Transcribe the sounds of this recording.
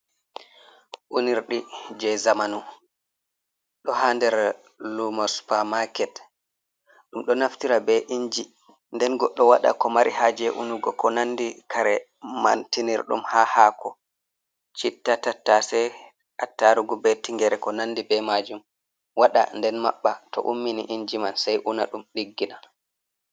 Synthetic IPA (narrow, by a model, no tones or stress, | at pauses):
ʔuniɾɗid͡ʒɛzamanu | ɗɔhandɛɾ | lumaspamakɛt | ɗumɗɔnaftiɾabɛʔiɲd͡ʒi | ndɛnɡɔɗːɔwaɗa̰kɔmaɾʔihad͡ʒɛʔunuɡɔkɔnanːdikʰaɾɛ | mantiniɾɗṵmhahaːkʰɔ | t͡ʃitːatatːasɛ | ʔatːaɾuɡubɛtiŋɡɛɾɛkɔnanːdibɛmad͡ʒum | waɗa̰ndɛnmaɓːatɔ̰ʔumːinḭʔiɲd͡ʒimansajʔunaɗumɗiɡːina